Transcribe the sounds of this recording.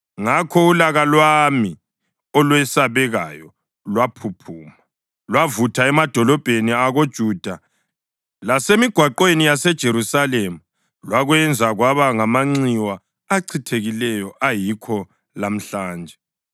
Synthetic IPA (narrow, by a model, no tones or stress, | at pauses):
ŋakʰɔulaɣalwami | ɔlwɛsaβɛɣajɔ | lwapʰupʰuːma | lwavutʰaɛmad̥ʱɔlɔb̥ʱeniaɣod̥ʒ̥ʱuːd̥ʱa | lasemiɡ̥ʱwaǃwenijasɛd̥ʒ̥ʱeɾusalemu | lwaɣwɛnd͡zʱaɣwaβaŋamaŋ͡ǀiwaː | ǀʰitʰeɣilɛjɔʔajikʰɔ | lam̩ɬaːnd͡ʒʱɛ